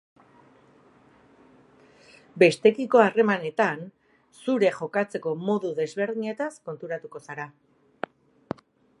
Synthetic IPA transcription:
be̞st̪e̞kiko̞are̞mane̞t̪an | suɾe̞ʝo̞kat͡se̞ko̞mo̞ðuðe̞zβe̞ɾðiɲe̞t̪asko̞nt̪uɾat̪uko̞saɾa

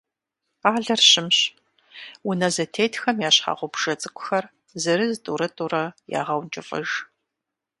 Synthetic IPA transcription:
aːɮɐrɕɪmɕ | wʊnɐzɐtʰeːtʰxɐmjaːɕħɑ̰ːʁʷʊbʒ̥ɐt͡sʼɨkʷʼʊ̥xɐr | zɨɾɨztʼuːɾɐtʼurɐja̰ːʁɐwnt͡ʃʼɪfʼɐ̰ʒ

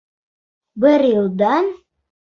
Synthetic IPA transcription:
bɪɾjɪlˠd̪ɑn

